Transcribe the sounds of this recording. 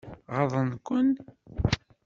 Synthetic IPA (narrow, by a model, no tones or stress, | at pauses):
ʁəðˤənkʷːən